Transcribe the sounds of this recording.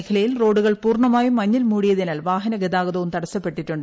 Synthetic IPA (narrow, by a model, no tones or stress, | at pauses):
kʰɐlɐjilro̞ːɽuɣɐɭpuːrɳɐmaːjumɐɲːilmuːɽijɐðinaːlʋaːɦɐnɐɡed̪aːɣɐðɐʋumt̪ɐɽɐsɐpːe̞ʈːiʈːuɳɖɨ